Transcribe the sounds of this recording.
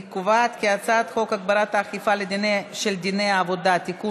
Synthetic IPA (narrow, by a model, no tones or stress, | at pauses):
kuvat̪keat͡sat̪χo̞kaɡbaɾat̪aːχifaled̪ineʃeld̪inejaːvod̪at̪iku